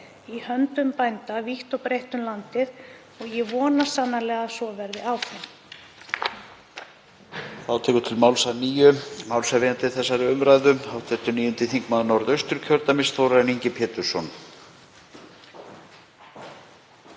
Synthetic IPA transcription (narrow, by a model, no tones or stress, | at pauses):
ihœnt̪ʏmpajnt̪aviht̪awpɾejht̪ʏmlant̪ɪð | ɔɣjɛvɔːnasanːalɛːɣasɔvɛɾðɪawθɪm | θawt̪ʰɛːkʏt̪ʰɪlmawlsaniːjʏmawlsavɪjant̪ɪθɛsːaɾɪʏmɾajðʏhawt̪ʰɛht̪ʏniːjʏnt̪ɪθiŋkmaðnɔɾðœɥst̪ʏɾ̥cʰœɾt̪amɪst̪θowɾaniɲcɪpʰɛːt̪ʏɾ̥sɔn